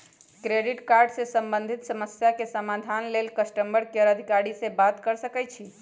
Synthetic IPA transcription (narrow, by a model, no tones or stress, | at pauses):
kɾeɖiʈkaɾɖsẽsəmbənd̪ʱit̪səməsjakesəmad̪ʱanlelkəsʈəmbəɾkeəɾəd̪ʱikaɽisebat̪kəɾsəkɛjt͡ʃʰi